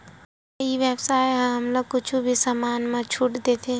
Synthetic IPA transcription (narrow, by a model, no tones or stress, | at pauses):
iʋɛbsaːjɦə̃ɦɐmloɡ̚kʊt͡ʃʰubʱisaːmaːnmãt͡ʃʰuːʈd̪eːt̪ʰẽ